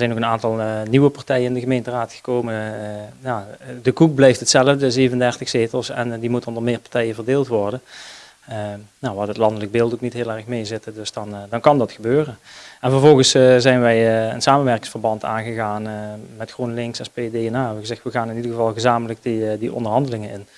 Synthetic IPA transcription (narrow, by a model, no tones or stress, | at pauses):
zɛjnokənaːntɑlˠniʋəpɑɹtɛjənɪndəɣəmejntəraːtxə̥koːmənjadəkuk̚blɛjftətsɛlˠəvdəzejvəndɛɹtəxseːtəlˠsɛ̰ndimutondərmɪːɹpaɹtɛjəvərdeːlˠtʋɔɹdən | naʋaːdətlɑndələk̚bɪːlˠtoknitɦɪːlˠɛɹəxmejzɪtədɵsdɑndɑnkɑndɑtxəbøːrənʔɛnvəɹvɔlˠɣənszɛjnʋɛjə̰nsaːmənʋɛɹkɪŋsfərbɑnta̰ːnɣəɣaːnmɛtxunlɪŋksɛspedeːɛnaːɛbəɣəzɛxtʋəɣaːnɪnidəɹɣəvɑlˠɣəzaːmələk̚dədiʔɔ̰ndərɦɑndəlɪŋənɪn